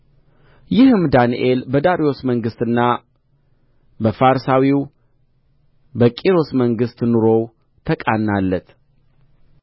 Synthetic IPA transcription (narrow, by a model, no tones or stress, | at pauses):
jɪhɨmd̪aniʔelbəd̪aɾijo̞sməŋɡɨst̪ɨnːa | bəfaɾsawiw | bəkʼiɾo̞sməŋɡɨst̪nɨɾo̞w | t̪ʰəkʼanːalːət̪